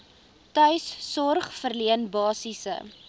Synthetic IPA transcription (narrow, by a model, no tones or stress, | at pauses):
tœɥsːɔrχfərliənbɑːsisə̰